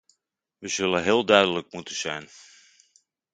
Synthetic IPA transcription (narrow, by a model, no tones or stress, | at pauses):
ʋəzɵləɦɪːlˠdœɥdələk̚mutəz̥ɛ̰jn